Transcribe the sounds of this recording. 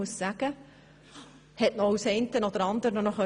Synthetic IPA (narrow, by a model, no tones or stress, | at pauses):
uəssæɡ̥ə | hɛtnɔusɛɪntənɔd̪əɾɑnd̪əɾnɔnɔχœ